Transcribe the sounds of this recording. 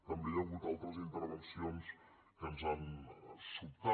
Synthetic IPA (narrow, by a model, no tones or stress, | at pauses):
t̪əmbejaɣut̪alˠt̪ɾəzint̪əɾβənsions | kənzansup̚t̪a